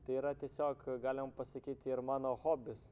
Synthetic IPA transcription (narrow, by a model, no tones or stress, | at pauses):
t̪ɐɪiːɾɐt̪ʲiɛsʲoːkɡɑːlʲɪmɐmpɐsɐkʲiːt̪ʲɪɾmɑːnoːxoːbʲɪs